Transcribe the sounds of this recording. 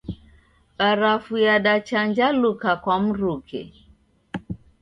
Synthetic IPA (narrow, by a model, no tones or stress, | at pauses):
ɓaɾafujaɗat͡ʃand͡ʒalukakwam̩ɾukʰɛ̰